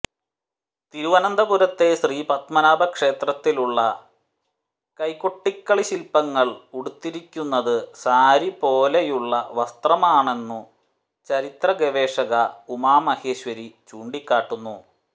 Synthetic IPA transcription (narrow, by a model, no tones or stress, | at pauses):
t̪iɾuʋɐnɐnd̪ɐbuɾɐt̪ːe̞sriːpɐt̪mɐnaːbɐkʂe̞ːt̪rɐt̪ːiluɭːɐ | kɐjkːoʈːikːɐɭiɕilpːɐŋːɐɭuɽut̪ːiɾikʲːunːɐðɨsaːɾipo̞ːlejuɭːɐʋɐst̪rɐmaːɳe̞nːu | t͡ɕɐɾit̪rɐɡeʋeːʂɐɣɐumaːmɐheːɕʋɐɾit͡ɕuːɳɖikʲːaːʈːunːu